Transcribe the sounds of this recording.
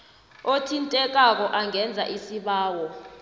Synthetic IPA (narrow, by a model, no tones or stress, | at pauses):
otʰintʼɛk̬ʼak̬ɔʔaŋʱɛnd͡zʱa̰ʔisiɓaːwɔ